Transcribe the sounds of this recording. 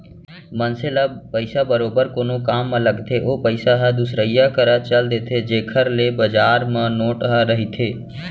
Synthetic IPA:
mənselapəɪsabəɾoːbəɾkoːnokaːmːɐləɡt̪ʰeʔoːpəɪsaɦɐd̪ʊsɾəijakəɾat͡ʃəld̪eːt̪ʰed͡ʒeːkʰəɾlebəd͡ʒaːɾmə̃noːʈɦəɾəɦit̪ʰeː

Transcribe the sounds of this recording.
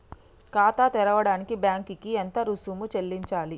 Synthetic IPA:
kaːt̪aːt̪ɛɾɐʋɐɽaːnikibjaːŋkikient̪ɐɾusuːmut͡ʃelːiɲt͡ʃaːli

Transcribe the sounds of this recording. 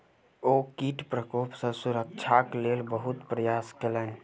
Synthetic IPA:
okiʈpɾəkopsə̃suɾəkt͡ʃʰaklelbəɦut̪pɾəjaskelən

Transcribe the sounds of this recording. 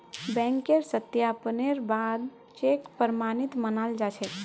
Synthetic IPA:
bɛ̃ŋkeɾsət̪jaːpneɾbad̪ | t͡ʃekpəɾmaːnit̪mənald͡ʒat͡ʃʰɛ

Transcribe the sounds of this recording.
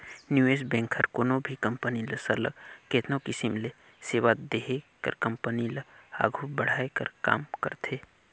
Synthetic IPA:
njuːeːsbɛ̃ːŋkʰhəɾkoːnõbʱikəmpəniləsələɡkeːt̪ʰnõkɪsimle | seːʋad̪eɦekə̰ɾkɐmpəniləa̰ːɡʱubəɽ̤aːekə̰ɾka̰ːmkəɾt̪ʰeː

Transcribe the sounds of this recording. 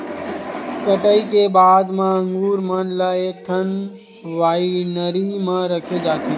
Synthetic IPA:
kəʈəikebaːd̪mãə̃ŋɡuːɾmənlaeːk̚ʈ̪ʰən | ʋaːinəɾimãɾəkʰed͡ʒaːt̪ʰe

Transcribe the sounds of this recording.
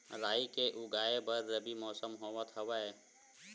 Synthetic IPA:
ɾaːikeʔʊɡaːebɐɾːəbimɔːsəmɦoːʋət̪ɦɐwaeː

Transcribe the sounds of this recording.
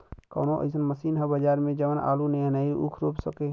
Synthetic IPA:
kɐ̰ːnoʔə̰ɪsənməsiːnɦɛbəd͡ʒaːɾmẽd͡ʒəʋəna̰ːlunenaːiʔṵkʰɾopsəke

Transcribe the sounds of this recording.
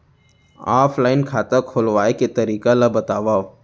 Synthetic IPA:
aːpʰlaːɪnkʰaːt̪akʰolʋaːeket̪əɾiːkalabət̪aːʋaːo

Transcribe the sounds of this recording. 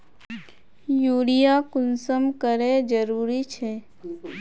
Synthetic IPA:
juːɽijakʊnsəmkəɾed͡ʒəɾuːɾit͡ʃʰɛː

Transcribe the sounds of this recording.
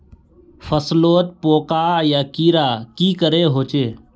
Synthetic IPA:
fʰəsloːt̪̚poːkaːjaːkiːɾaːkiːkəɾeːɦoːt͡ʃeː

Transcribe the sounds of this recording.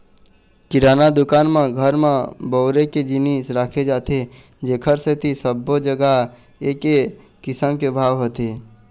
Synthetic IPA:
kɪɾaːnad̪ʊkaːnmãɡʱəɾmãbɔːɾeked͡ʒinisɾaːkʰed͡ʒaːt̪e | d͡ʒeːkʰəɾset̪ʰisəbːod͡ʒəɡaɦ | eːke | kɪsəmkebʱaːʋɦot̪eː

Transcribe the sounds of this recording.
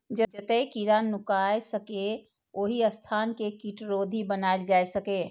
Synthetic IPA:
d͡ʒəd͡ʒət̪ekiɾanʊkaːesəke | oːɦiəst̪ʰaːnkekiʈɾoːd̪ʱibənaːeld͡ʒaːsəkeː

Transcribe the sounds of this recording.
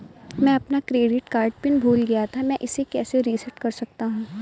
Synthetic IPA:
mɛ̃ːɐpnakɾeːɖɪʈkaːɾɖpɪnbʱuːlɡɐjat̪ʰamɛ̃ʔɪsekɛːseɾiːsəʈkɐɾsɐk̚t̪aɦũː

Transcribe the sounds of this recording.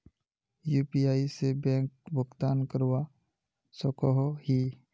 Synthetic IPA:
juːpiaːisebɛ̃ːkbʊɡt̪aːnkəɾwa | sɔkɔɦhi

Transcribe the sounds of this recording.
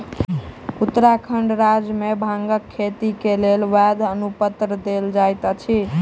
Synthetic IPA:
ut̪ːɾakʰəɳɖɾad͡ʒmebʱãŋɡəkʰːet̪ikelelʋɛd̪ʱənupət̪ɾd̪eld͡ʒajt̪ət͡ʃʰi

